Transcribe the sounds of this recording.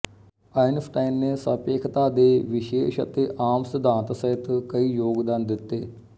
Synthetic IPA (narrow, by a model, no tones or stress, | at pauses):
aːinfʰʈaːinneːsəpeːkʰt̪aːd̪eːʋɪʃeːʃə̰t̪eːʔaːmsəd̪ʱaːnt̪səɦɪt̪kəiːjoːɡd̪aːnd̪ɪt̪ːeː